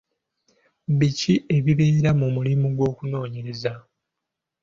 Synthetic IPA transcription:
βiciʔe̞βiβe̞ːɾamumulimuɡwo̞ːkuno̞ːɲe̞ɾe̞za

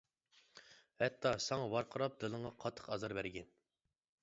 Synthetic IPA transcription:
hɛt̪ʰːɑsɑŋɑwɑɾqʰəɾɑp̚d̪ɨlˠɨɴʁɑqʰɑt̪ʰːə̥qɑzɑɾbæɾɡʲɛn

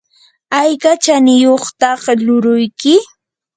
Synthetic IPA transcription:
ajkat͡ʃanɪjoχt̪ɑχlʊɾʊjkɪ

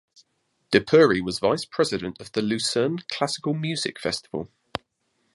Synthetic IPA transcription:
d̥əpʰɜːɹiwɒzvaɪspʰɹ̥ɛzɪdə̃ntəvðəlʉˑsə̃ːnkʰl̥asɪ̥kəlˠmjʉːz̥ɪ̰kfɛ̰stɪv̥ə̰lˠ

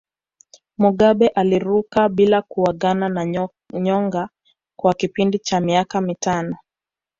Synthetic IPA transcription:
muɠaɓɛʔaliɾukaɓilakuwaɠanana | ɲɔŋɡa | kwakipindit͡ʃamiakamitanɔ

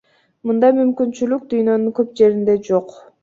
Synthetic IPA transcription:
mɯnd̪ɑjmymkynt͡ʃylyk̚d̪yjnø̞nyŋkø̞p̚d͡ʒe̞ɾind̪e̞d͡ʒo̞q

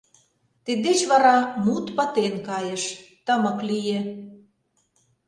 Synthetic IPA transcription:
t̪ed̪d̪et͡ɕβɑɾɑmut̪pɑt̪enkɑjeʃt̪ə̆mɤ̆klije

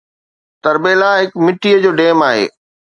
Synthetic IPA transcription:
t̪ɐɾbeːlaɦɪkmɪʈːiəd͡ʑoːɖeːmaːɦḛː

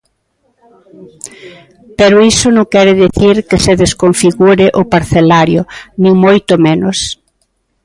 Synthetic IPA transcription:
peɾʊisʊnõŋkɛɾɪðiθiɾkeseðeskoɱfiɣuɾɪʔʊpaɾθelaɾjʊnĩŋmojt̪ʊmenʊs

